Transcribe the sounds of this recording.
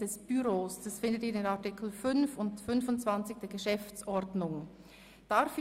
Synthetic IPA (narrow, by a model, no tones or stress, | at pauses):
d̥ɛsb̥yʁoːsd̥asfɪndətiːɐdenatɪkʰl̩fʏnfʊntfʏnfʊnt͡sv̥ant͡sɪçd̥eːɐɡ̥əʃɛft͡sɔɾdnʊŋ | d̥aɾf